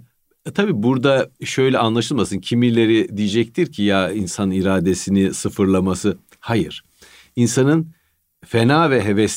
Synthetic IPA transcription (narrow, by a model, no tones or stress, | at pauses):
t̪ʰabiːbuɾd̪aʃø̞jlʲɛanlˠaʃɯlˠmasɯncʰimilʲe̞ɾid̪ijed͡ʒɛc̚t̪ʰiɾcʰijainsaniɾaːd̪e̞sinisɯfɯɾlˠamasɯ | hajɯɾ̥ | insanɯn | fenaːvɛɦevɛs